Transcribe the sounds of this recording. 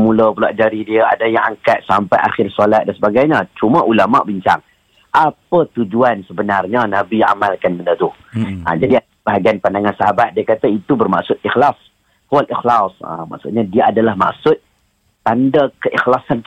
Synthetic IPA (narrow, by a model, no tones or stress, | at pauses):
muləpulaʔd͡ʒaɾidiəa̰dajaŋaŋkat̪̚sampajʔaxɪrsalat̪̚dansəbaɡajɲət͡ʃumaʔulama̰ʔbiɲt͡ʃa̰ŋ | ʔapət̪ud͡ʒuansəbənarɲanabia̰malkanbəndət̪u | ə̰d͡ʒadi | b̥aɦaɡianpandaŋansaɦabat̪̚diəkat̪ait̪ubərma̰ʔsʊt̪̚ixlas | halixlasə̰ma̰ʔksʊt̪̚ɲadiəadalahma̰ksʊt̪̚ː | andakəʔixlasan